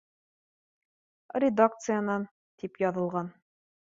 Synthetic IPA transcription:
rʲɪd̪ak̚t̪sɨjanɑn | t̪ipjɒðɤ̆lˠʁɑn

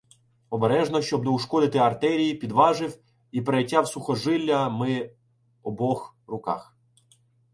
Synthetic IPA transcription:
ɔbeɾɛʒnɔʃt͡ʃɔb̚nɔuʃkɔd̪ɪt̪ɪɐrt̪ɛɾʲijipʲid̪ʋɑʒɪw | ipɾejtʲːawsʊxɔʒɪlʲːɐmɪ | ɔbɔx | rʊkɑ̰x

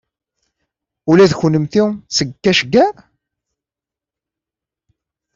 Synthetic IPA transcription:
ulæðçənəmθiwsəɡkːæʃəɡːæɾ

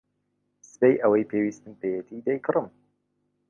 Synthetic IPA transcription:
sɨ̥pejʔəwɛjpʰeːwiːst̪ɨnpejɛt̪ʰid̪ejkʰɨɾɨm

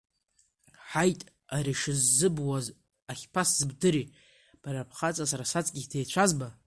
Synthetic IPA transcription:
ħajtʼ | aɾiʂɨzːɨbwaz | aχʲpʰasz̥ɨbdɨɾi | b̥aɾapʰχat͡sʼasaɾasat͡sʼɡʲidejt͡ɕʷʰazba

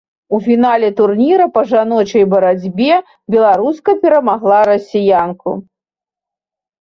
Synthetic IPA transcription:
ufʲinalʲɛt̪urnʲiɾɐpɐʐanɔt͡ʃɐjbɐɾad͡zʲbʲɛ | bʲɛlˠaɾuskɐpʲɛɾɐmaɣlˠaɾɐsʲijanku

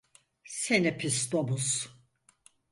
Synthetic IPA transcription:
senɛpʰist̪omus

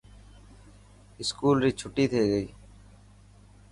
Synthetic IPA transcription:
ɪskuːlɾiːt͡ʃʰʊʈːiːt̪ʰeːɡəiː

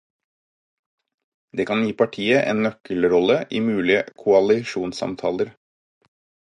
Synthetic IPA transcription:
d̪eːkʰɑnjiːpʰɑʈʰiːəʔḛːnnœkəlɾɔləʔiːmʉːlɪəkʰʊɑlɪʃuːnsɑ̰mt̪ʰɑ̰ːləɾ

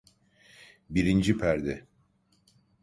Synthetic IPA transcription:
biɾind͡ʒipʰæɾd̪ɛ

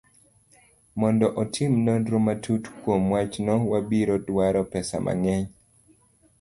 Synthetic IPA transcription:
mɔndɔʔɔtʰimnondɾomatʰutkwomwat͡ʃnɔwabiɾɔdwaɾɔpɛsa̰mʔa̰ŋɛɲ

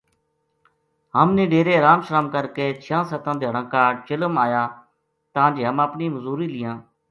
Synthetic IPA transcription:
ɦəmnẽːɖeːɾeːɾaːmʃɾaːmkəɾkeːt͡ʃʰjãːsət̪ãːd̪eːɦəɽə̃ːkaːt͡ʃɪləmaːjaː | t̪ãːd͡ʒeɦəməpniːməzuːɾiːlɪjãː

